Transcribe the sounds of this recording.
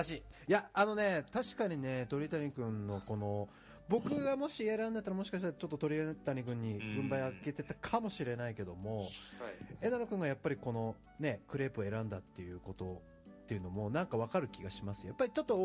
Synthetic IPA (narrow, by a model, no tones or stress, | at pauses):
aɕijaːno̞ne̞t̪aɕi̥kaɲ̟ine̞t̪o̞ɾʲit̪aɲ̟ikɯ̟̃nːo̞ko̞no̞ | bo̞kɯ̟ɡamo̞ɕieɾãnd̪et̪ːaɾamo̞ɕi̥kaɕit̪aɾat͡ɕo̞t̪ːot̪o̞ɾʲit̪aɲ̟ikɯ̟̃ɲ̟ːiɡɯ̟̃mbaiake̞t̪e̞t̪akʰamo̞ɕiɾe̞naike̞d̪o̞mo̞ | e̞naɾokɯ̟̃ŋɡajapːaɾʲiko̞no̞ | ne̞kɯ̟ɾe̞ːpɯe̞ɾãnd̪at̪ːe̞jɯ̟ko̞t̪o̞ | t̪ːe̞jɯ̟no̞mo̞nãŋkaβ̞akaɾɯ̟kʲiɡaɕimasɨjapːaɾʲit͡ɕo̞t̪ːo